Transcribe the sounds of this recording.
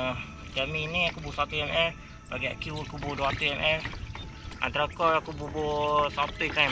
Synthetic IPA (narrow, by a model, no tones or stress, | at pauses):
d͡ʒaminiakubusat̪uɛmʔɛ | baɡia̰ʔkjukubuduat̪uɛmʔɛ | a̰nt̪aɾakɔakububosat̪uika